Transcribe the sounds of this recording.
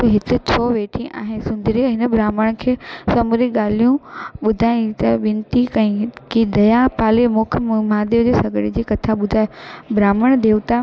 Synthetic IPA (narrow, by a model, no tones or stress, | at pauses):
ɦɪt̪ɪt͡ɕʰoːʋeːʈʰĩʔa̰ːɦɪnsʊ̃nd̪ʱɪɾĩɦɪnəbɾaːməɽ̃kʰeːsɐmʊɾiɠaːl̤ijũɓʊd̪ʱaːĩt̪ɐʋɪ̃nt̪ikɐ̃ĩkid̪ɐjapaːlemʊkʰmaːd̪eod͡ʑesɐɡɽed͡ʑiːkɐt̪ʰaɓʊd̪ʱaːebʱɾaːməɽ̃d̪ʱeːt̪a